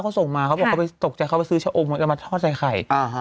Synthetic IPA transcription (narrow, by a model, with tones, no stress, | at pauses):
wʰkʰa˧˥˩wso˨˩ŋmaː˧kʰa˧˥˩bɔ˨˩kʰːpa˧jt̪o˨˩k̚t͡ɕa˧˩kʰa˦˩pa˧˨jsɯː˦˥t͡ɕʰa˧˦˩ʔo˧mu˧˩t̪ːma˧t̪ʰɔː˥˩t͡ɕa˧jxʰa˨˩ja˧˦